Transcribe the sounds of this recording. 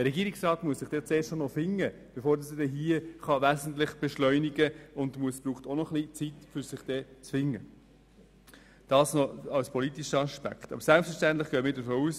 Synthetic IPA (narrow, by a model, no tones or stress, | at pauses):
d̥əɾɛɡiːɾiksrɑːtmuəsɪχd̥ɛt͡seːʃtnɔfɪŋːə | b̥efoːɾdɑsədɛɦiəχɑʋæzən̩tlɪχb̥ɛʃlœʏniɡəʊndmuəsb̥ɾuːχtonɔχlit͡sitfʏɾsɪχd̥ɛt͡sfɪŋːə | d̥ɑːsnɔɑwspʰɔlitiʃəɑʃpæ̰ktɑ̰b̥əɾsælpsfəʃtæntlɪχɡ̥œːmɪːɾdəɾfoːuːs